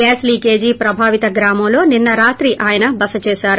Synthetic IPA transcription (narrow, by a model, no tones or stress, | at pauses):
ɛːsliːkeːd͡ʒiːpɾɐbʱaːʋit̪ɐɡɾaːmɐmlo̞ːninːɐɾaːt̪ɾiʔaːjɐnɐbɐsɐt͡ʃeːʃaːɾu